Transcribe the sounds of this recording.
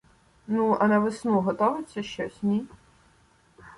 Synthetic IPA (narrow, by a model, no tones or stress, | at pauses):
nuɐnɐʋɪsnuɦɔt̪ɔʋɪt͡sʲːɐʃt͡ʃɔsʲnʲi